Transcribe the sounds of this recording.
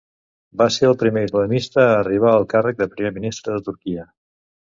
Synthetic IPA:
baseɾəlˠpɾimeizləmist̪əːriβ̞aəlˠkarək̚d̪əpɾimeminist̪ɾəðət̪uɾkiə

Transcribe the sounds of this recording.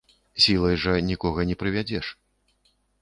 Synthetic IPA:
sʲilˠɐjʐɐnʲikɔɣɐnʲɛpɾɨvʲad͡zʲɛʂ

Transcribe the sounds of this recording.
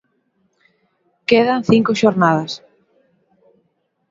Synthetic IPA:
keðaŋθiŋkoʃoɾnaðɐs

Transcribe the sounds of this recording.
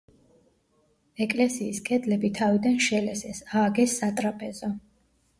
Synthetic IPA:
ɛkʼlɛsiːskʼɛd̪lɛbit̪ʰavid̪anʃɛlɛsɛsaːɡɛsːat̪ʼɾapʼɛzɔ

